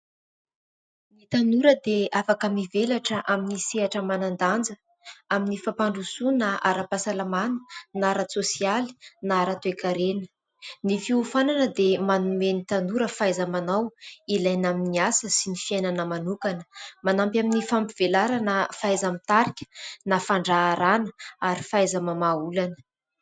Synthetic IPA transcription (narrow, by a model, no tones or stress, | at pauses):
nit̪anuɾəd̪eafakamivelaʈ͡ʂəʔaminiseaʈ͡ʂəmanand̪and͡zə | aminifapaɳɖ͡ʐusunaʔa̰ɾapasalamanə̥naɾasosiali̥naɾat̪uekaɾenə̥ | nifiufananəd̪emanumenit̪anuɾəfajzamanawilajnaminiasəsinifiajnanəmanukanə̥manampaminifampiv̥elaɾanəfajzamit̪aɾikʲə̥nafaɳɖ͡ʐaːɾanəaɾifajzəmamaulanə̥